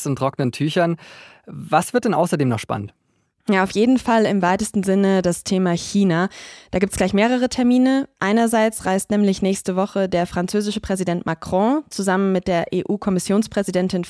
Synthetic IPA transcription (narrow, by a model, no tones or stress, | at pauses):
sʊntʁ̥ɔknəntʰyːçɐn | vasv̥ɪɐt̚d̥ɛnʔa̰ʊsɐdeːmnɔχʃpa̰nənt | jaːaʊfjeːdn̩falɪmvaɪtəstn̩zɪnədastʰeːmaçiːnad̥aːɡiːptsɡ̥laɪçmeːʁ̞əʁ̞ətʰɛɐmiːnəʔaɪnɐzaɪt͡sʁaɪstnɛːmlɪçnɛːçstəvɔχədeːɐfʁ̥ant͡søːzɪʃəpʁ̥ɛzidɛntmʔakʁ̥ɔ̃t͡suzamənmɪt̚d̥eːɐʔeːʔuːkʰɔmɪsjoːnspʁ̥ɛzidɛntɪn